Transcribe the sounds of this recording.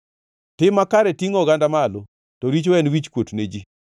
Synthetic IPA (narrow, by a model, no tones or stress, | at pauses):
tɪmakaɾɛtiŋɔɡandamalo | tɔɾit͡ʃwɛnwit͡ʃkwotned͡ʒi